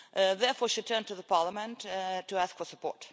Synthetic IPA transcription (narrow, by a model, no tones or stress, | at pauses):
ðɛɹfɔɹʃitʰɜ̃˞ntuðəpʰɑɹləmə̃nttʰːɨæskfə˞səpʰɔ̰ɹt